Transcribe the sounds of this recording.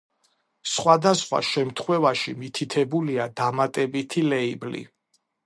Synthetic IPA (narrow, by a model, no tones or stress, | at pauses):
sχwad̪asχwa̰ʃɛmt̪ʰχwɛvaʃimit̪ʰit̪ʰɛbuliad̪amat̪ʼɛbit̪ʰilɛiblḭ